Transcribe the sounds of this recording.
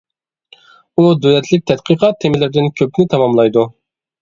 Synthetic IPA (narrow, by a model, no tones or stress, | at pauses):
ud̪ølɛt̪ʰlɪk̚ʲt̪ʰɛt̪̚qʰəqʰɑt̪ʰːemɪlɪɾd̪ɪnkʲʰøpnɪt̪ʰɑmɑmlˠɑjd̪u